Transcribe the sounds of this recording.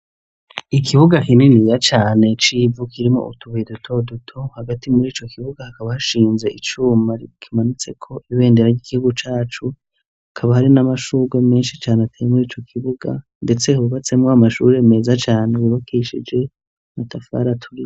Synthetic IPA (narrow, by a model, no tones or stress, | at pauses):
ikʰiβuɡakininijat͡ʃaːne̞t͡ʃivukiɾimo̰ʔutʰuβidutʰo̞dutʰohaɡatimuɾiːt͡ʃo̞kʰiβuɡahakaβahaʃiːnze̞ʔit͡ʃuːmaɾikʰimanut͡se̞kʰo̞ʔiβe̞ːndeɾaɟiːɡihuɡut͡ʃaːt͡ʃu | hakʰaβahaɾinamaʃuːɡwame̞ːnʃi̥t͡ʃaːneatʰejemuɾiːt͡ʃo̞kʰiβuɡa̰ | nde̞t͡se̞huβat͡se̞mŋoamaʃṵːɾeme̞ːzat͡ʃaːnewiβakʰeʃid͡ʒe̞ | matafa̰ɾatʰuɾi